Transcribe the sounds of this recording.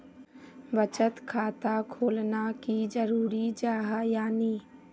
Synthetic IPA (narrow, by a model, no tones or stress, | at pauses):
bət͡ʃət̪kʰaːt̪akʰoːlnakid͡ʒəɾuːɾid͡ʒaːɦajaːniː